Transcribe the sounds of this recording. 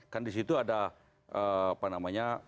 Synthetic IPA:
karndisit̪uada | əapanamaɲa

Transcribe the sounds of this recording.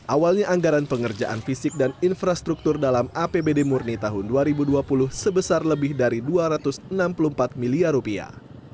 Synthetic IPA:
ʔawalɲaʔaŋɡaɾanpəŋərd͡ʒaʔa̰nfisɪk̚daninfɾast̪ɾuk̚t̪ʊrdalamapebedemurnit̪aɦʊnduaɾibuduapulʊhsəbəsarləbɪhdaɾiduaɾat̪ʊsənampulumpat̪̚miliarupia̰

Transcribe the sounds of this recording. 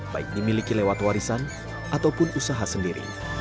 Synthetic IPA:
b̥a̰ɪk̚dimilikilewat̪waɾisan | ʔat̪awpʊnusaɦasəndiɾḭ

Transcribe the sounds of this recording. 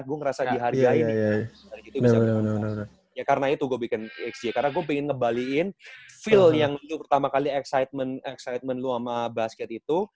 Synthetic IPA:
ɡuaŋəɾasadiɦarɡainjadaɾiit̪ubisanənn | jakaɾənait̪uɡuabikɪnɛksekarənaɡuapɛŋɪnkəmbaliɪnfɪljaŋlupərt̪amakaliɛksajt̪̚mənɛksajt̪̚mənluamabaskɛt̪it̪u

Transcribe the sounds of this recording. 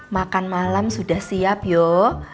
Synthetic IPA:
makanmalamsudahsiap̚jo

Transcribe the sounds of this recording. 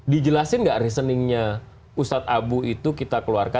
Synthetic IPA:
did͡ʒəlasɪnɡaʔɾis̬ənɪŋɲa | ust̪at̪̚abuit̪ukit̪akəluarka

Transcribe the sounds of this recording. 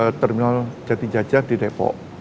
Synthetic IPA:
t̪ərminald͡ʒat̪id͡ʒad͡ʒardidepɔ̰ʔ

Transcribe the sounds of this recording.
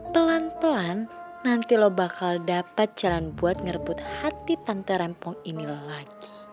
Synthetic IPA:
pəlanpəlanː | ant̪ilɔbakaldapat̪̚d͡ʒ̥alanbuat̪̚ŋərbʊt̪̚hat̪it̪ant̪əɾɛmpɔŋinilaɡ̥i̥

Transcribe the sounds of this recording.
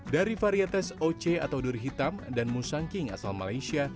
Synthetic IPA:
daɾifaɾiat̪ɛsot͡ʃeat̪awdurɦit̪amdanmusaŋkiŋa̰salmalajsia

